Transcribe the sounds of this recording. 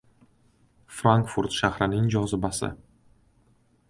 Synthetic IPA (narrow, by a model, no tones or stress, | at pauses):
fɾaŋkfuɾt̪ʃahɾɪnɪŋd͡ʒɒzɪbasɪ̰